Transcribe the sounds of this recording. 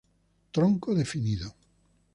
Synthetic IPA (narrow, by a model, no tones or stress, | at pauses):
t̪ɾoŋkoðefiniðo